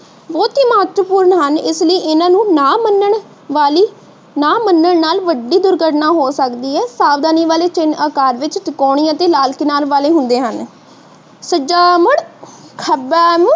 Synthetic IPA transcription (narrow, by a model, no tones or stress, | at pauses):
ʋoːt̪iːmaːt̪ʋəpuːɾɳɦənɪsləiːʔɪnãːnũːnaːmənəɳ | ʋaːliː | naːmənːəɳnaːlʋəɖiːd̪ʊɾɡəʈnãːɦoːsəkd̪iːɦɛːsaːbd̪aːniːʋaːleːt͡ʃɪnaːkaːɾʋɪt͡ʃt̪ɪkɔːɳ̃iːãːt̪eːlaːlkɪnaːlʋaːleːɦʊ̃nd̪eːɦən | səd͡ʒaːməɽkʰəbɛːm